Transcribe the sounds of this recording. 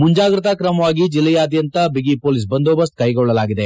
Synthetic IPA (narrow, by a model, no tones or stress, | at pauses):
muɲd͡ʒaːɡɾɐt̪akɾɐmɐʋaːɡid͡ʒilːɐjaːd̪jɐnt̪ɐbiɡipoːlis̬bɐnd̪oːbɐst̪̚kɐjɡɔɭːɐlaːɡid̪e̞